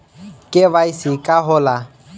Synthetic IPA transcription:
kʼɪβaisɪkʼaɦʊla

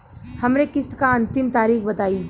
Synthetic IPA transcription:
hɐmnekɪskaɐ̃nt̪ɪmt̪aːɾiːxbɐt̪aːi

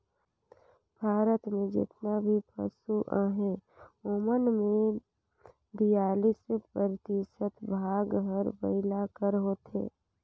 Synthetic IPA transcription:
b̥ʱaːɾət̪mẽd͡ʒɪ̰t̪nabʱipə̰suʔaːɦeomənmẽ | ɖijaːlispəɾt̪isət̪bʱaːɡɦəɾbə̰ɪlakəɾɦoːt̪ḛː

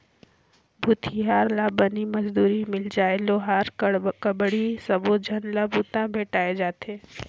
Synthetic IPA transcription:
bʱuːt̪ʰiɦaːɾlaːbənimɐd͡ʒd̪uːɾimɪld͡ʒaːeloːɦaːɾkɐbɽisɐbod͡ʒʱənlabʱuːt̪ãbʱeːʈaːed͡ʒaːt̪ʰeː

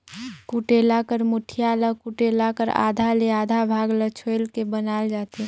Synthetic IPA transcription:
kuʈeːlakəɾmʊʈʰijaləkuʈeːlakəɾa̰ːd̪ʱaleaːd̪ʱabʱaːɡlət͡ʃʰoɪlkebənaːld͡ʒaːt̪e

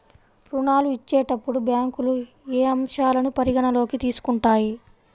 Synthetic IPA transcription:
pɾuɳaːluit͡ʃːɛːʈɐpːuɽubaːŋkulu | eːɐmʂaːlɐnupɐɾiɡɐɳɐlo̞ːkit̪iːsu̥kuɳʈaːji

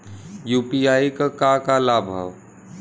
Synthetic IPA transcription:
juːpiaːikakakalabʱə̰ʋ

